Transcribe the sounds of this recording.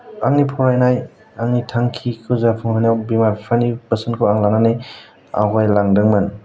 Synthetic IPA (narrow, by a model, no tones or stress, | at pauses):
aŋnipʰɔɾajnaj | aŋnitʰaŋkʰikʰɯzapʰɯŋhanawbimaɾpʰanipəsɯnkʰɯwaŋlananej | a̰ɦajlaŋdɯŋmɯn